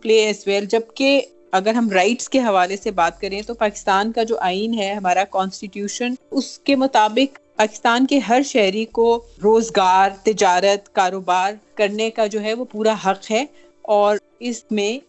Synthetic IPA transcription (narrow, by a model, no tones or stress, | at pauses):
pleːɛsʋɛːld͡ʒɐbke | ɐɡəɾɦɐmɾaɪʈskeɦɐʋaːlesebaːt̪̚kɐɾẽt̪opaːkɪ̥st̪aːnkad͡ʒoːʔaːinɦɛɦɐmaːɾakɔ̃ːnsʈɪʈjuːʃənʊskemʊt̪aːbɪqpaːkɪst̪aːnkeɦɐɾʃɛɦɾikoɾoːzɡaːɾt̪ɪd͡ʒaːɾət̪kaːɾoːbaːɾkɐɾnekad͡ʒoːɦɛʋopuːɾaɦɐqɦɛ | ɔːɾ | ɪsmẽ